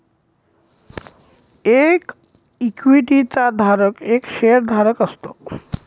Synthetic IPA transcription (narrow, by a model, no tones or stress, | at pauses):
ek | ikwiʈit̪ad̪ʱaɾəkekʃeɾd̪ʱaɾəkəst̪o